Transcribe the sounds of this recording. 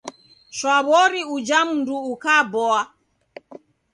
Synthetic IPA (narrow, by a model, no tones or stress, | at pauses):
ʃwaβɔɾiud͡ʒam̩nduːkabɔa